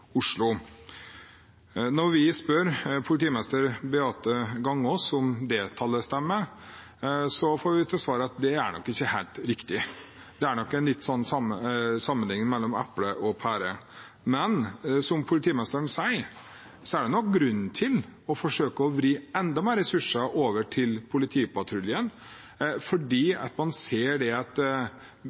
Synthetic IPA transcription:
ʊʂlʊ | nɔɾʋɪspœɾpʰʊlɪt̪ʰiːmɛst̪əɾbɛɑːt̪əɡɑŋːɔsɔmd̪eːt̪ʰɑlːəst̪ɛmːəɾ | sɔfoːɾʋɪt̪ʰɑsʋɑːɾəɑt̪̚d̪ɛæɾɳɔ̰kːɪçːəhæɪlt̪ɾɪkt̪ɪ | d̪̥ɛæɳɔkːɛnlɪt̪ːsɔnːsɑməsɑmːənlɪŋːmɛlːɔmæ̰pləʔɔpʰæːɾə | mɛnsɔmpʰʊlɪt̪ʰiːmɛst̪ɾəɳsæɪ | sɔæɖɛnɔk̚ɡɾʉnːt̪ʰɪlɔfɔʂøːkəɔʋɾiːɛnd̪ɑmæːɾɛsʉʂəʔoːʋəʈʰɪlpʰʊlɪt̪ʰiːpʰɑt̪ʰɾʉljən | fɔɖiːɑ̰t̪mɑnseːɖɛɑt̪

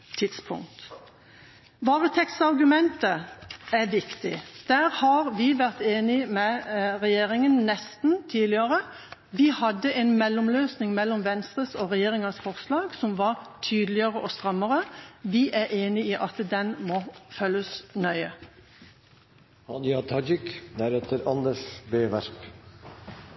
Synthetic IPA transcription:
t̪ʰɪt̪spʰʊ̰ŋkt̪ | ʋɑːʁət̪ʰɛkt̪sɑʁɡʉmɛnt̪əæɾʋɪkt̪ɪd̪̥æːɾhɑɾʋɪʋæʁt̪eːnɪmɛʁɛjeːɾɪŋənnɛst̪n̩t̪ʰiːlɪəʁə | ʋɪhɑd̪ːəʔeːnmɛlːʊmløːsnɪŋmɛlːɔmʋɛnst̪ʁəsoːʁɛjeːʁɪŋɑsfɔʁslɑːɡsɔmʋɑʁt̪ʰyːd̪lɪəʁəʔɔst̪ʁɑmːəʁəʋɪʔæɾʔeːnɪiːʔɑt̪d̪ɛnmoːfœlːəsnœʏə | ɑd̪ɪɑt̪ʰɑd͡ʒɪkd̪æɾɛt̪ʰəɾɑnd̪əʂbeːʋæɾk

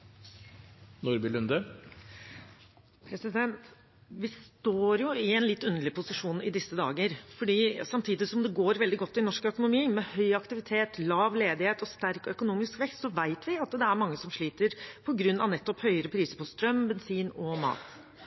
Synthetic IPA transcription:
nuɾbɪlʉnd̪ə | pʰɾɛsɪd̪ɛnt̪ | ʋɪst̪oːɾjʊɪɛnlɪt̪ːʉnːəɭɪpʰʊsɪʂuːnɪd̪ɪsːəd̪ɑ̰ːɡəɾfɔɖiːsɑmt̪ʰiːd̪ɪsɔmd̪ɛɡoːɾʋɛld̪ɪɡɔt̪ːɪnɔʂkœkʊnʊmiːmɛhœʏɑkt̪ɪʋɪt̪ʰeːt̪lɑːʋleːd̪ɪheːt̪ɔst̪æɾkœkʊnuːmɪskʋɛkst̪sɔʋæɪt̪ʰʋɪɑt̪d̪ɛæɾmɑŋːəsɔmʂɭiːt̪əɾpʰɔɡɾʉnːɑ̰ʋnɛt̪ːɔphœʏəɾəpʰɾiːsəɾpʰɔst̪ɾœmbɛnsiːnɔmɑ̰ːt̪

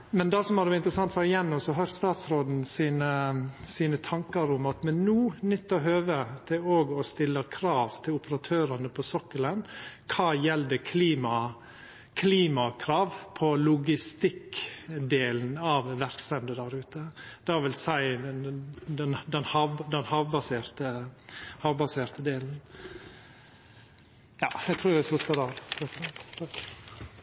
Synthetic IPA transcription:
mɛnd̪æsɔmɑd̪ɛʋɪnt̪ɾəsɑŋt̪fɔɾɪjɛnːɔsɔɦœɾst̪ɑːt̪sɾoːd̪n̩siːnəsiːnət̪ʰɑŋkəɾʊmɑt̪mɛnːuːnʏt̪ːɔɦøːʋət̪ʰɪoːɡɔst̪ɪlːəkʰɾɑːʋt̪ʰɪlʊpəɾɑt̪ʰøːɾɑnəpʰɔsɔkːələnkʰɑːjɛld̪əkʰliːmɑ | kʰliːmɑkʰɾɑːʋpʰɔlʊɡɪst̪ɪkd̪eːln̩ɑʋʋæɾksɛnd̪əd̪æɾʉːt̪əd̪̥ɑʋɪlsæɪ | d̪ɛnd̪ɛnhɑːʋd̪ɛnhɑːʋbɑseːɾt̪əhɑːʋbɑseːɾt̪əd̪eːln̩ | jɑ̰ːæɪt̪ʰɾuːɾʋɪslʉt̪pəd̪ɑɾpʰɛsɛnt̪t̪ʰɑk

